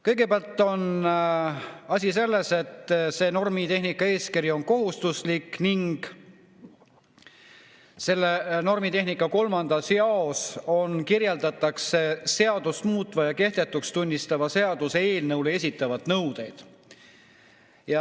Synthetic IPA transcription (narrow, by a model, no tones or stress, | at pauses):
kɤ̞jɡe̞peɑlt̪ˑːo̞n | ɑsʲise̞lːe̞se̞t̪ːse̞ːno̞rmit̪e̞ɦnikːˑɑe̞ːskiɾio̞nko̞ɦust̪uslikːniŋɡ̥ | se̞lːeno̞rmit̪e̞ɦnikːˑɑko̞lmɑnd̪̥ɑsjɑo̞so̞nkirjeld̪̥ɑt̪ˑːɑkse̞se̞ɑd̪̥usmuːt̪ːˑvɑjɑke̞ht̪e̞t̪ːˑukst̪unʲːist̪ɑvɑse̞ɑd̪̥usee̞ːlnɤwlee̞s̬ʲit̪ːˑɑvɑd̪nɤwd̪̥e̞jd̪̥ | jɑ